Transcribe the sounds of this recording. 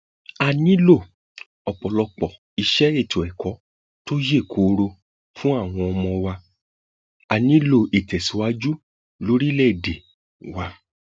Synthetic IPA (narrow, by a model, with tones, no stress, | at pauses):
a˨nĩ˨˦lo˦˨ | ɔ˨k͡pɔ˨lɔ˧k͡pɔ˨ | i˧ʃɛ˦e˦˨tʰo˨ɛ˨kɔ˨˦ | to˦je˦˨kʰo˨˧ɾo˧ | fũ˦a˦˨w̃ɔ̃˧ɔ˧mɔ̃˧wa˧ | a˨nĩ˨˦lo˦˨e˨tɛ˨si˨˦wa˦d͡ʒu˦ | lo˦ɾi˦lɛ˦˨de˨ | wa˧